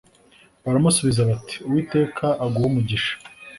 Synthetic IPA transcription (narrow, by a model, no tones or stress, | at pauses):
βaɾamusuβizaβati̥uwiːte̞ːkʰaʔːɡuumuɟiʃḁ